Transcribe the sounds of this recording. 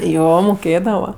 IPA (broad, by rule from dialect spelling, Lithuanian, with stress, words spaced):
ˈjoː moːˈkʲeːdɐʋɐ